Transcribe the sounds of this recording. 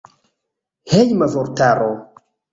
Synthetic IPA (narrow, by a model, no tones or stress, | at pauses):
hejmavoɾt̪aɾo